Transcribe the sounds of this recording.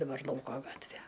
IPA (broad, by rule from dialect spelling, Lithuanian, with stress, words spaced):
dɐˈbɐr ˈlˠɐʊkoː ˈɡɑːtʲʋʲeː